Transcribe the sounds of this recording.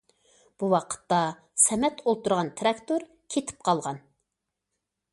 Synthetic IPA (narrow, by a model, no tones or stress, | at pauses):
b̥uwɑqʰə̥t̪ːɑ | sɛmɛt̪ʰolˠt̪uɾʁɑnt̪ʰɾɑkt̪oɾ | kʲʰet̪ʰɪ̥p̚qʰɑlˠʁɑn